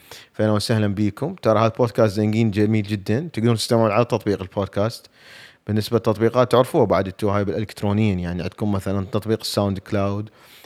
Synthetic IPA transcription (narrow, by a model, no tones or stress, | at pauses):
faʔɪnːawsahlambiːkʊmt̪ɑɾˤɑhaːðaboːd̪̚kaːst̪zaŋɡiːnd͡ʒamiːld͡ʒɪd̪ːant̪ɪɡd̪uːnt̪ɪ̥st̪amʕlʕalat̪ːɑt̪ˤbiːqɪlboːd̪̚kaːst̪ | b̥ɪnːɪsbalt̪ːɑt̪̚ˤbiːqɑːt̪ːʊʕɾfuːhabaʕd̪ɪt̪ːuaːjbɪlʔɪlɪkt̪ɾoːnɪjiːnjaʕniʕa̰d̪kunmaθalant̪ɑt̪ˤbiːqɪ̥sːawnd̪klaːwd̪